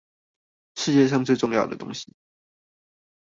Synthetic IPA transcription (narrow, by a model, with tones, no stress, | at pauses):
ʂɻ̩˥˧t͡ɕjɛ˥˧ʂɑ˥˧ŋt͡swe˥˧ʈ͡ʂʊ˥˧ŋjɑ˥˩ʊd̪ə̰˩t̪ʊ̰˥ŋɕi˨˦